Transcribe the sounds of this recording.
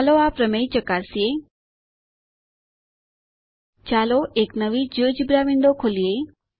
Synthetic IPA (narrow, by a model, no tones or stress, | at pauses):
loapɾəmejt͡ʃəkaːɾsie | t͡ʃaːloʔeːknəʋid͡ʒəːd͡ʑibɾaʋĩɳd̪okʰolije